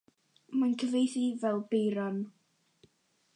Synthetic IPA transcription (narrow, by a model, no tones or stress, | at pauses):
mankʰəvejθivɛlˠbejɾɔn